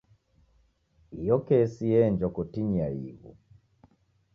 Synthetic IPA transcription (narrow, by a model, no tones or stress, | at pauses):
ijɔkɛsiɛnd͡ʒɔkɔtiɲiaḭɣṵ